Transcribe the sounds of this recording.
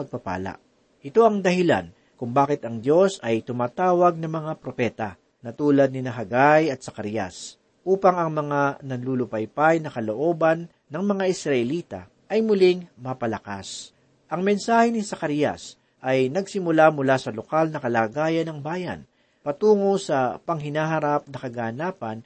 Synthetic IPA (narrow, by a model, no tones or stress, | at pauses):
pɐɡ̚pɐpa̰ːla̰ʔ | ʔɪt̪o̞ɐŋd̪ɐhɪla̰n | kʊŋbaːkɪt̪ɐŋd̪jo̞sɐjt̪ʊmaːt̪aːwɐɡ̚nɐŋmɐŋapɾo̞pɛːt̪ɐ | nɐt̪uːlɐd̪nɪnɐɦɐɡajɐt̪̚sɐkɐɾjɐ̰s | ʔuːpɐŋɐŋmɐŋanɐnlulʊpɐjpajnɐkɐloʔo̞ːbɐnːɐŋmɐŋaʔɪsɾɐʔɛliːt̪a̰ | ʔɐjmʊlɪŋmɐpɐlɐka̰s | ʔɐŋmɛnsaːhɛnɪsɐkɐɾjɐ̰s | ʔɐjnɐɡsɪmʊlamʊlaːsɐlokalnɐkɐlaːɡaːjɐnɐŋbaːjɐ̰n | pɐt̪uːŋosɐpɐŋɦɪnaːɦɐɾap̚nɐkɐɡaːnaːpɐn